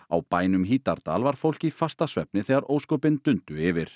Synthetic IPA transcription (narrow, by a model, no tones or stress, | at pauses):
awpaːjnʏmɦiːt̪aɾt̪a̰ːlvaɾ̥fowl̥cifast̪asvɛpnɪθɛːɣaɾoːwskɔpɪnt̪ʏnt̪ʏɪvɪɾ̥